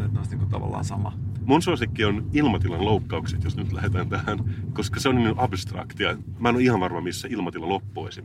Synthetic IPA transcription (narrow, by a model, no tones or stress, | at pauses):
net̪nɑˑst̪niːŋkut̪ɑ̰ʋɑ̰lːɑ̰ːnsɑmɑ̰munsuɑsikːionilmɑt̪ilɑnloukːɑukset̪josnyt̪læ̰het̪æːnt̪æhænkoskɑseonniʔɑbst̪rɑ̰kt̪iɑmænoihɑʋʋɑrmɑmisːæilmɑt̪ilɑlopːuḛsim